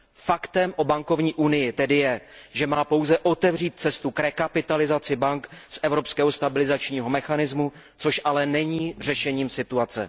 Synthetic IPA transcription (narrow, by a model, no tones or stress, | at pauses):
fakt̪ɛmʔo̞baŋko̞vɲiːʔunɪjɪt̪ɛdɪjɛʒɛmaːpo̞wzɛʔo̞t̪ɛvriːt̪̚t͡sɛst̪ukɾɛkapɪt̪alɪzat͡sɪbaŋksʔɛvɾo̞pskɛːɦo̞st̪abɪlɪzat͡ʃɲiːɦo̞mɛxanɪzmu | t͡so̞ʃʔalɛnɛɲiːr̝ɛʃɛɲiːmsɪt̪uat͡sɛ̰